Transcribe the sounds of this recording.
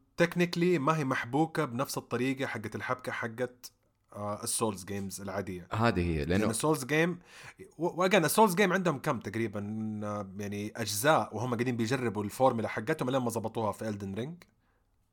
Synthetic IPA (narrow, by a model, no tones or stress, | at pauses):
t̪aknɪklimaɦiːmaħbuːkabnafsɨt̪ˤːɑɾiːɡaħaɡːaɪlħab̚kaħaɡːa | ɪsːoːlsɡeːmzɪlʕaːd̪ɪjːaɦaːd̪ihɪ̰jːlʔanʔnːasːoːlsɡeːm | wʔaɡaːnɪsːoːls̬ɡeːmʕɪnd̪ʊhʊmkamːt̪aɡɾiːbanjaʕniʔad͡ʒzaːʔwɪhʊmːaɡad̪iːmbɪjd͡ʒarːɪbulfoːɾˤmɪlaħaɡːaːt̪hʊmʔɪlːhmːɑzˤɑbɑt̪ˤuːhɑfiʔeld̪ɪnɾɪŋɡ